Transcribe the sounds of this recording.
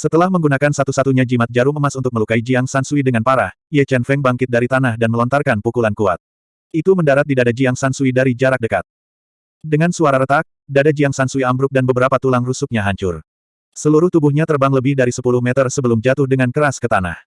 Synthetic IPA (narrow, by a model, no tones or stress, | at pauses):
sət̪əlahməŋɡunakansat̪usat̪uɲad͡ʒimat̪̚d͡ʒaɾuŋəmasunt̪ʊk̚məlukaid͡ʒiaŋsansuidəŋanpaɾah | ijɛt͡ʃɛnfɛŋbaŋkɪt̪̚daɾit̪anahdanməlɔnt̪arkanpukulankua̰t̪̚ | it̪uməndaɾat̪̚didadad͡ʒiaŋsansuidaɾid͡ʒaɾak̚dəkat̪̚ | dəŋansuaɾaɾət̪ak̚dadad͡ʒiaŋsansuiambɾʊk̚danbəbəɾapat̪ulaŋrusuk̚ɲaɦaɲt͡ʃʊ̰r | səluɾʊht̪ubuhɲat̪ərbaŋləbɪhdaɾisəpulʊhmɛt̪ərsəbəlʊmd͡ʒat̪ʊhdəŋankəɾaskət̪ana̰h